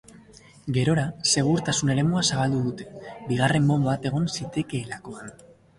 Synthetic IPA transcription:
ɡe̞ɾo̞ɾase̞ɣ̞uɾt̪asune̞ɾe̞muasaβald̪uðut̪e̞biɣ̞are̞mːo̞mbat̪e̞ɣ̞o̞nsit̪e̞ke̞ːlako̞an

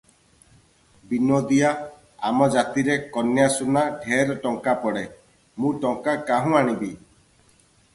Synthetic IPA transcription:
binod̪ija | amɔd͡ʒat̪iɾekɔnjasunaɖʱeɾɔʈɔŋkapɔɽe | mũʈɔŋkakaɦũaɽ̃ibi

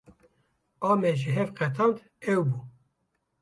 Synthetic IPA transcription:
ɑːmɛʒɪɦɛvqɛt̪ʰɑːnt̪ | ɛwbuː

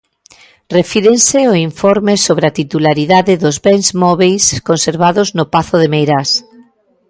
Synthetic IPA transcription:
refiɾenseoiɱfɔɾmesoβɾeat̪it̪ulaɾiðaðɪðʊzβɛnzmɔβejskonseɾβaðʊznʊpaθʊðemejɾas

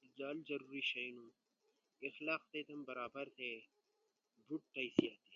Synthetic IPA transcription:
zaːlzɐɾuːɾiʃɐjnũ | ɪxlɑːqt̪eːt̪ɐmbɐɾaːbɐɾt̪ʰe | buʈ̚ːɐisijat̪ʰe

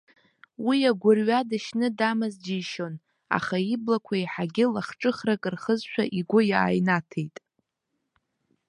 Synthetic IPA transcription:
wijaɡʷʊrɥadɨʃnɨdamɨzd͡ʒiʃo̞n | a̰χaiblakʷʰaiħaɡʲɪlaχʈ͡ʂʼɨχrakʼɨrχəzʃʷᶣaʔiɡʷʊja̰ːjnatʰejtʼ

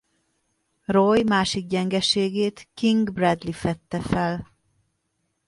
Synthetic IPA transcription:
rojmaːʃiɡ̚ɟɛŋɡɛʃeːɡeːt̪kiŋɡbrɛd̪lifɛt̪ːɛfɛl

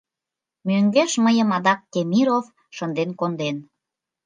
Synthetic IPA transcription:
møŋɡeʃməjəmɑd̪ɑk̚ːemʲiɾof | ʃənd̪enkond̪en

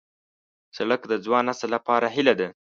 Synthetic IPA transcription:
saɽəkd̪əd͡zwɑnasalapɑɾaɦɪlad̪a

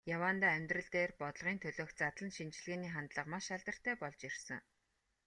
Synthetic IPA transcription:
jawaːnt̪aːœmʲt̪rə̆ɮt̪eːrpɔt̪ɮʁiːnt̪ʰɵɮoːxtt͡sat̪ɮə̆nʃint͡ɕɮɣeːniːχant̪ɮə̆qmaʃaɮt̪ə̆r̥t̪ʰæːpɔɮt͡ɕirsə̆ŋ

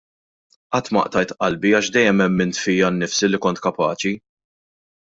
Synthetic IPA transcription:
ʔɐt̪ːmɐ̰ʔt̪ɐjt̪ʔɐlbiɐːʃd̪ɛjːɛmɛmːɪnt̪fiːjɐnːɪfsilːikɔnt̪kɐpɐːt͡ʃi

